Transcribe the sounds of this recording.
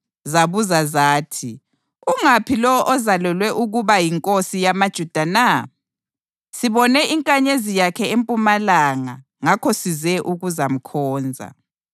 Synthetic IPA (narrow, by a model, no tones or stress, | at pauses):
zaβuzazaːtʰi | uŋapʰilɔʔɔzalɛlwɛʔuɣuβajiŋkʼosijamad̥ʒ̥ʱud̥ʱana | siβɔnɛiŋkʼaɲezijakʰɛempʼumalaŋa | ŋakʰɔsizɛʔuɣuzam̩kʰɔːnd͡zʱa̰